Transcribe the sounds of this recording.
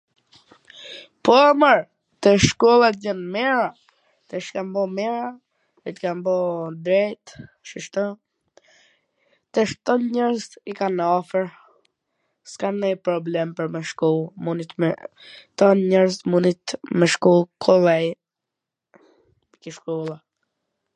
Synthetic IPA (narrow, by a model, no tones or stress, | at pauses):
pɔaməɾ | t̪ɛʃkɔlˠat̪̚d͡ʒɛnmɛɾa | t̪ɛʃkambɔmɛɾa | it̪kambɔd̪ɾɛjt̪ | ʃəʃt̪ɔ | t̪ɛʃt̪ɔnɲɛɾzt̪ikanɔfəɾ | skanɛjpɾɔblɛmpəɾmɛʃkulˠmunit̪mt̪ɔnɲɛɾzɛt̪munit̪mɛʃkulˠkʰɔlɛj | mɛkəʃkɔlˠa